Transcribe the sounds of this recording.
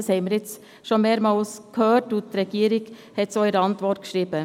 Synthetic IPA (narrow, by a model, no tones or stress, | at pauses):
shɛɪmiːɾjɪt͡s | ʃonmeːɾmɑlskʰhøːɾtutɾɛɡiːɾɪɡ̥hɛtsɔʏəɾɑntvɔtkʃɾiːb̥ə